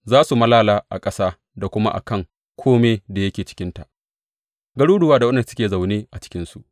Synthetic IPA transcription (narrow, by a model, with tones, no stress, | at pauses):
zaː˦su˨mɐ˦laː˦laː˦ʔa̰˨kʼɐ˦saː˦ | da˨kʷʊ˦ma̰˦ʔa̰˨kɐ˦˨ŋ | kʷʰoː˦meː˦da˨jɐ˦kʲeː˨t͡ʃɪ̥˦kʲɪ˦nta˨ʔ | ɡɐ˦ɽuː˦ɽʊ˨waː˦da˨wɐ˦nɐ˨sʊ̥˦kʲeː˨za˨wneː˦ʔa˨t͡ʃɪ̥˦kʲɪ˦nsu˨ʔ